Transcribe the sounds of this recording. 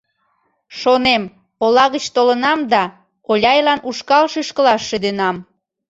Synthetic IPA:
ʃonem | polɑɣət͡ɕt̪olənɑmd̪ɑ | olʲɑjlɑnʔuʃkɑlʃyʃkəlɑʃːed̪enɑm

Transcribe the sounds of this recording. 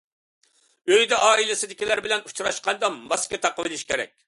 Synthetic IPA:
øjd̪ɛʔɑːilˠɪsɪd̪ɪkʲilæɾbɪlɛnut͡ʃɾɑʃqɑnd̪ɑmɑskʲɛt̪ʰɑqəvɪlˠɪʃkʲʰeɾɛ̰k̚ʲ

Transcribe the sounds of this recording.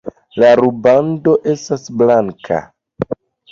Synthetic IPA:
laɾubando̞ʔe̞stasblaŋkʰa̰

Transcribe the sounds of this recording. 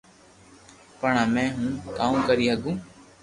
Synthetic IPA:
pəɳãːmɛ̃ːɦũːk̪aːũːkəɾiːɦəɡũː

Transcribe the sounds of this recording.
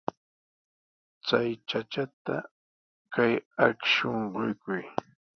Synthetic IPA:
t͡sajt͡ʃat͡ʃat̪a̰ | kajakʃoɴɢʊjkʊj

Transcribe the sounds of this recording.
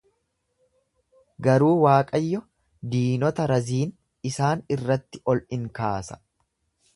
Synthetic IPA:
ɡɐɾuːwaːkʼɐjːɔ | d̪iːnɔt̪ɐɾɐziːn | ɪsaːnɪrːɐt̪ːɪɔlʔɪŋkaːsɐ̥

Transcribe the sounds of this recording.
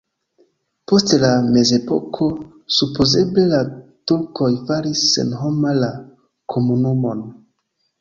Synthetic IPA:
po̞stlame̞ze̞po̞̰kʰo̞ | supoze̞ble̞latuɾko̞jfaɾisːḛnɦomala | kʰomunumo̞n

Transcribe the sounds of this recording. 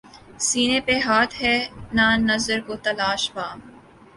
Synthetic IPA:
siːnẽpeɦaːt̪ʰɦɛːnaːnɐzəɾkot̪ɐlaːʃbaːm

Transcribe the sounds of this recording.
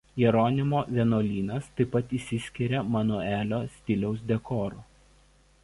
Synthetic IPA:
jɛɾɔnʲɪmoːʋʲinoːlʲiːnɐst̪ɐɪpːɐt̪isʲɪsʲkʲɪɾʲɛmɐnuæːlʲoːsʲt̪ʲɪlʲɛʊsd̪ʲɛkɔːɾuː

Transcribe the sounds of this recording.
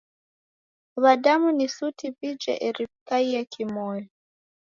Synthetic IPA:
βadamunisutipid͡ʒɛ̰ʔɛɾipkaiakʰimɔjɔ

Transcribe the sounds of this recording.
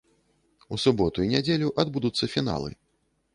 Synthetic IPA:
usubɔt̪uinʲad͡zʲelʲuʔad̪bud̪ut̪sːɐfʲina̰lˠɨ̰

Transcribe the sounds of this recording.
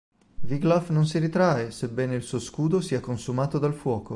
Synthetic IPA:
viɡlɔfnons̬iɾit̪ɾaːesebːɛːneilsuːoskuːd̪osiːɛakːonsumaːt̪od̪alfwɔːko

